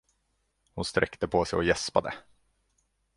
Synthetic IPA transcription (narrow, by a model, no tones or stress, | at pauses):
hʊnst̪ɾʔɛ̰kt̪əpʰɔsɛjɔjɛspad̪ə̰